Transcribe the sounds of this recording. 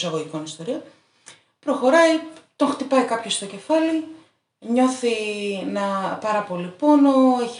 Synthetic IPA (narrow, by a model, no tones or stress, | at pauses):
sɐɣo̞ʝiko̞nist̪o̞ɾion | pɾo̞xo̞ɾɐjit̪o̞ŋxt̪ipɐikɐpço̞st̪o̞ce̞fɐli | ɲo̞θinɐpɐɾɐpo̞lipo̞no̞eç